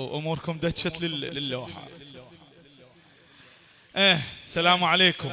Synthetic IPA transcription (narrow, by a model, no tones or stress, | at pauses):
wʔʊmuːɾkʊmd̪at͡ʃːat̪lɪːɪlːoːħa̰oːħaː | ʔeːsalaːmʕaleːkʊm